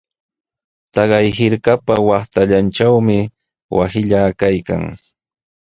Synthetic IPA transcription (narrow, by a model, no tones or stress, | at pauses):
t̪ɑɢɑjhɪɾkapawɑχt̪aʎant͡ʃawmɪ | wʔa̰sɪʎakajka̰ŋ